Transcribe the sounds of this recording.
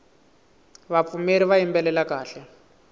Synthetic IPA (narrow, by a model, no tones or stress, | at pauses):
βap̪fumeɾiβaimbɛlɛlakaːɬɛ